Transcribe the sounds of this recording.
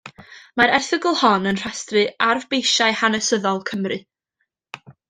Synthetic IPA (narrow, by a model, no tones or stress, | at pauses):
maɾɛrθəɡəlˠhɔnənr̥astrɨarvbejʃaɨhanəsəðɔlˠkʰəmrɨ